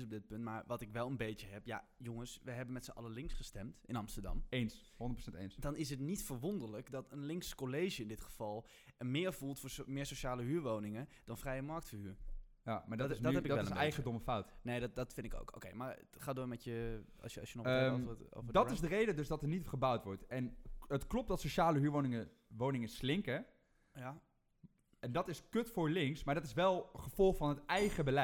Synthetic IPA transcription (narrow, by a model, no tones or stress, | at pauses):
s̬ɔb̚dɪt̚pɵntmaːɹʋɑtɪkʋɛlˠənbejtəɦɛpja̰joŋəsʋəɦɛbənmɛtsəʔɑ̰lˠəlɪŋsχəstɛmtɪnɑmstəɹdɑ̰mens | ɦʊ̃ndətprosɛntḛnsdɑnɪs̬ɦətnitfəɹʋondəɹləkdɔtənlɪŋkskolejʒəɪndɪtχə̥v̥ɑlˠ | əmɪːɹvulˠtfʊːɹsmɪːɹsoʃaːləɦyːɹʋownɪŋəd̥ɔnfrɛjəmɑɹk̚tfəhyːɹ | jamadɔthɛpɪʋɛləmsbɛjɣəndɔməfawtneːddɔtfɪ̃ndɪko̰wko̰wkejmaɹ | χaːdʊmɛtjə | ssjənɔo̰vdɔɪzdərejdədøzdɔtənitχəbawtʋɔɹtɛnətklɔp̚dɔtsoʃaːləɦyːəɹʋownɪŋə | ʋownɪŋəslɪŋkə | ɛndɔtɪskøtfʊɹlɪŋksmaːɹdɔtɪsʋɛlˠχəfɔlˠχfɑnɦətɛjχəbəlɛ